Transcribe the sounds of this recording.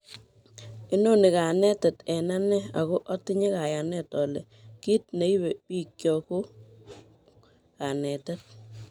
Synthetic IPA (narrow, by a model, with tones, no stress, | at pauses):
ɪ˦no˦nɪ˨ka˨nɛ˦tɛ˨tɛ˨na˦nɛ˦a̰˨kʊ˦ʔɔ˦tɪ˦ɲɪ˦ka˨ja˨nɛ˦tɔ˨lɛ̰˨ | ki˦t̚ne˨i˦be˨pi˦kjɔ˨kʊ˦ | ka˨nɛ˨tɛ˦t̚